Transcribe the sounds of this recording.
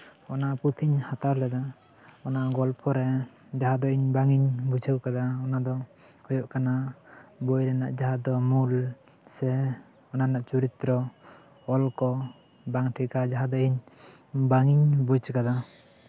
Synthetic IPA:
ɔnaʔput̪ʰiɲhat̪aɾlɛd̪a | ɔnaʔɡɔlpʰɔɾɛ | d͡ʒaɦad̪ɔiɲbaŋiɲbut͡ʃʰəwkad̪aɔnad̪ɔ | hɔjɔʔkanabujɾɛna̰ʔd͡ʒaɦad̪ɔmul | sɛ | ɔnanaʔt͡ʃuɾit̪ɾɔ | ɔlkɔ | baŋʈʰikad͡ʒaɦad̪ɔiɲ | baŋiɲbut͡ʃkad̪a

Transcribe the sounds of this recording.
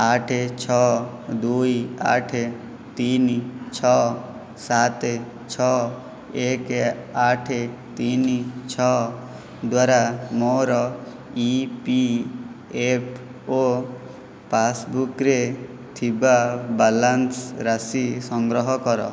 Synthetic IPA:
aʈʰet͡ʃʰɔd̪ujia̰ʈʰe | t̪int͡ʃʰɔ | sat̪ | t͡ʃʰɔ | ekaʈʰe | t̪int͡ʃʰɔ | d̪waɾamɔɾɔ | ipi | epʰ | o | pasbukɾe | t̪ʰibabalansɾasisɔŋɡɾɔɦɔkɔɾɔ̰

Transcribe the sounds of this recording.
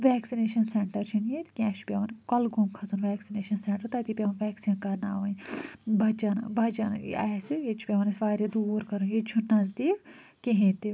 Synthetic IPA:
ʋɛːksineːʃɐnseɳʈɐɾt͡ʃʰinjet̪kʲɛ̃ːt͡ʃʰpʲeʋɐnkɐlɡumkʰɐzunʋɛːksineːʃɐnseɳʈɐɾt̪ɐt̪iːpʲeʋɐnʋɛːksiːnkɐɾna̰ːʋɐnbɐd͡ʒɐn̰bʱɐd͡ʒɐn̰a̰sijet͡ʃʰu̥pʲeʋɐnɐsʋaːɾid̪uːɾkɐɾunjet͡ʃʰunɐzd̪iːkkeɦẽt̪i

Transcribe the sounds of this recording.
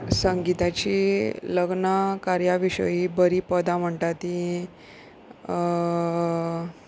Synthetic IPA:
səŋɡit̪at͡ɕiːləɡnakaɾjaʋiɕə̰jibəɾiːpəd̪am̤əɳʈ̪at̪ĩ

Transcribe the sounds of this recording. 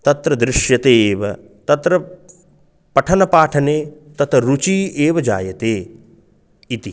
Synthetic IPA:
t̪ɐt̪ɾɐd̪ɾɪʃjɐt̪eːʋɐ | t̪ɐt̪ɾɐ | pɐʈʰɐnɐpaːʈʰɐneː | t̪ɐt̪ɾut͡ʃiːeːʋɐd͡ʒa̰ːjɐt̪eː | it̪i

